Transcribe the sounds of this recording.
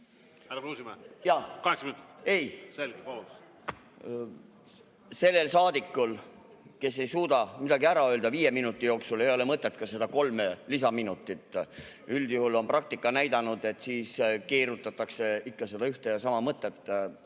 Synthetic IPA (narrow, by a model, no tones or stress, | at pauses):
hæɾɑkuːsimɑjɑːkɑheksɑminut̪ˑi̥t̪ːe̞jselɡeo | se̞lːe̞lsɑːd̪̥ikːˑul | ke̞sːe̞jsuːd̪ɑmid̪ɑɡiæɾɑø̞ːld̪ɑviːje̞minut̪ˑːijo̞ːksulejo̞lemɤt̪ːˑet̪ːˑkɑse̞d̪̥ɑko̞lmelisɑminut̪ːˑit̪ːˑyld̪̥juhulo̞nprɑk̚t̪ikːˑɑnæjd̪̥ɑnud̪̥e̞t̪ːˑsiːskeːɾut̪ːˑɑt̪ːˑɑkse̞ikːɑse̞d̪ɑyht̪ejɑsɑmɑmɤt̪ːˑet̪ːˑ